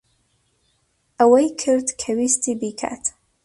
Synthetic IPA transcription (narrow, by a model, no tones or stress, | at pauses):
awajkʰɨrtʰkʰawistʰibikʰa̰tʰ